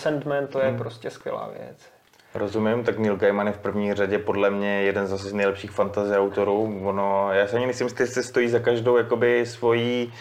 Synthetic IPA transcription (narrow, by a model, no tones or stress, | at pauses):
sɛnt̪mɛnt̪ojɛpɾoscɛskʋjɛ̰la̰ːvjɛ̰t͡s | ɾʔo̞zumɪmt̪aknɪlɡajmanjɛfpr̩vɲiːraɟɛpo̞dlɛmɲɛjɛdɛnzzas̬ɛznɛjlɛpʃiːxfant̪azɪawt̪o̞ɾuːvonojaːsɛʔaɲɪmɛsɪmst̪ɪsɛst̪o̞jiːzakaʒdo̞wjakobɪsvo̞jiː